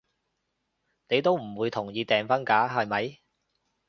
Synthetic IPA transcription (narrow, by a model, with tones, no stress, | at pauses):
ne˨˧jt̪o˥wm̩˨˩wuː˨˧jt̪ʰʊ˨˩ŋjiː˨˧t̪ɛː˨ŋfɐ˥nkaː˨˥ɦɐ˨jmɐ˨˥j